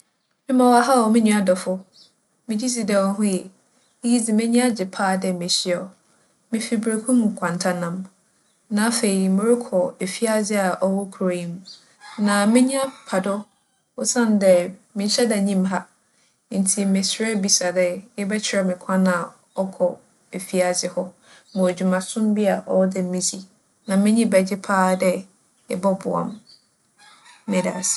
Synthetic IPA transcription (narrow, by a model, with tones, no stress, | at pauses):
mɪ̃˦mã˨wa˨ɦa˦ɔ˨mɪ̃˦nũ˦a˦dɔ˨fʊ˦ | mɪ̃˨d͡ʑi˦si˨dɛ˨wɔ˨ɦʊ̃˦jɛ˨˦ | ji˦d͡zi˨mɪ̃˦ɲĩ˦a˦d͡ʑɪ˨pʰaː˦˨dɛ˨mẽ˨ɕɪ˦ɔ˨ | mɪ̃˨fi˨bɾe˨kʰũ˦mũ˨kʰʷã˨n˨tʰa˨nã˨m | nã˨˦fe˨i˨mɪ̃˨ɾɪ˦kʰɔ˨e˨fi˦a˦d͡zɪ˦a˨ʔɔ˦wɔ˦kʰu˨e˨ɲĩ˦m˦ | nã˨mɪ̃˦ɲĩ˦a˦pʰa˨dɔ˦ | ʊ˦sã˦ndɛ˨mɪ̃˨ɲ̩˦ɕɛ˦da˨ɲĩ˦mɦa˦ | n̩˨tʰi˨mɪ̃˨sɾɛ˦bi˨sa˨dɛ˨ɪ˦bɛ˦t͡ɕʰɪ˨˦ɾɛ˨mɪ̃˨kʷʰã˦nã˨ | ɔ˦kʰɔ˨ | e˨fi˦a˨zɪ˦hɔ˦ | mʊ̃˨æ˨d͡ʑᶣu˨mã˨sʊ̃˦mbi˦a˨ʔɔ˦dɛ˨m̩˦mĩ˦si˨ | nã˨mɪ̃˦ɲĩ˦bɛ˨d͡ʑɪ˦pʰaː˦dɛ˦ | ɪ˦bɔ˦bʊ˨ã̰˨m | mɪ̃˨da̰˨sɪ̥˦˨